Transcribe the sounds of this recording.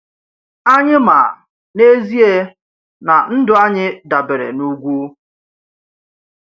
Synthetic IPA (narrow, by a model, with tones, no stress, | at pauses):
a˦ɲɪ˦ma̰˨ | ne˦zi˦e˦ | na˨n̩˦dʊ˨a˦ɲɪ˦da˨be˨ɾḛ˨nu˦ɡʷu˦